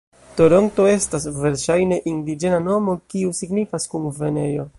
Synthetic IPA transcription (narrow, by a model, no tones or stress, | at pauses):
to̞ɾo̞nto̞e̞stasve̞ɾʃajne̞ʔindid͡ʒe̞nano̞mo̞kiusiɡnifaskunve̞ne̞jo̞